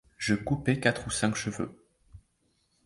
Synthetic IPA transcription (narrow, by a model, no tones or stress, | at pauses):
ʒəkupekat̪χusɛ̃kʃəvø̰